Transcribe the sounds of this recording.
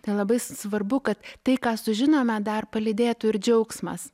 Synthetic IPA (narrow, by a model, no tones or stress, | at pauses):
t̪ɐɪlˠɐbɐɪsʋɐrbʊkɐt̪ːɐɪkɑːsʊʒʲɪnoːmʲɛd̪ɐrpɐlʲɪd̪ʲeːt̪ʊɪɾd͡ʒʲɛʊksmɐs